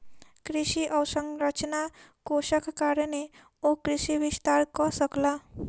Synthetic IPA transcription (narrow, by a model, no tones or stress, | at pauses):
kɾiʃiʔəwsə̃ŋɡɾət͡ʃnakoʃəkkaɾəne | okɾiʃiʋɪst̪aɾkɔsəkla